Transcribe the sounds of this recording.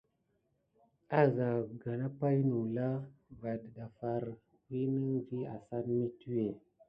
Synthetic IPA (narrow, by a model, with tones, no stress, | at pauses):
a˦za˨ɡa˨na˦pa˦jnu˨la˦ɡa˨dɗa˨fa˦ɾ | wi˦nə˦ŋvi˦a̰˨sa˦nmi˦tu˦e˨